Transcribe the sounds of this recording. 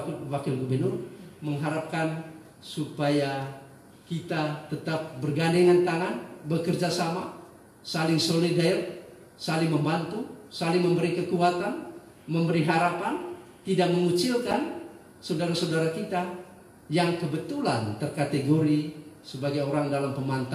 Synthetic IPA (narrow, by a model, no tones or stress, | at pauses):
wakɪlɡubərnurməŋɦaɾap̚kan | supaja | kit̪at̪ət̪ap̚bərɡandeŋant̪aŋanbəkərd͡ʒasama | salɪŋsolidaɛr | salɪŋməmbant̪usalɪŋməmbəɾikəkuat̪an | məmbəɾiɦaɾapan | t̪idak̚məŋut͡ʃilkan | sawdaɾasawdaɾakit̪a | jaŋkəbət̪ulant̪ərkat̪eɡoɾisəbaɡajoɾaŋdalampəmant̪a